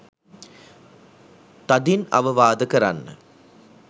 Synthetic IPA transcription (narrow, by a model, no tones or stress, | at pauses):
t̪ɐd̪inɐ̰ʋɐʋaːd̪əkɐɾa̰nːə̰